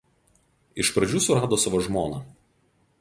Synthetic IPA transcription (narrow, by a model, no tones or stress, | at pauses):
ɪʃpɾɐd͡ʒʲuːsʊɾɑːd̪oːsɑːʋoːʒmoːnɑ